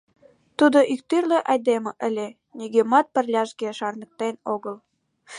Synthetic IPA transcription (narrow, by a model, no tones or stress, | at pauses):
t̪ud̪oʔik̚t̪yrleʔɑjd̪emə̆ʔəlʲe | niɣemɑt̪̚pə̆rlʲɑʃɡeʃɑrnə̆k̚t̪enoɣəl